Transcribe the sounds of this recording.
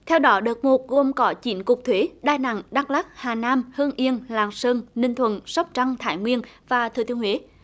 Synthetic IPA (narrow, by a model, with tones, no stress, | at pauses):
t̪ʰɛ˧wɗɔ˨˦ɗəː˨˩t̚mo˨˩t̚ɣo˧˩mkɔ˨˦t͡ɕi˨˩˦nkʊ˨˩k͡p̚t̪ʰwe˨˦ɗaː˧na̰˧˨ŋɗa˧˥k̚laː˦˥k̚haː˨˩naː˧mhəː˧ŋʔi˧ənlaː˨˩ŋsəː˧nnï˧ŋt̪ʰwə̰˧˨nsə˦˥p̚t͡ɕa˧ŋt̪ʰaː˧˩jŋwi˧ənvaː˨˩t̪ʰɨ˨˩t̪i˧ənwe˨˦